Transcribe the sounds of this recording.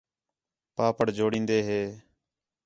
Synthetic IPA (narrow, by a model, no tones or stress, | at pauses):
paːpəɽd͡ʒʱoːɽĩːnd̪eːɦeː